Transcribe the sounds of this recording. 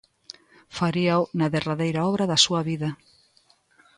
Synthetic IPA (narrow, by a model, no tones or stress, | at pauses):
faɾiawnaðeraðejɾaɔβɾaðɐsuɐβiðɐ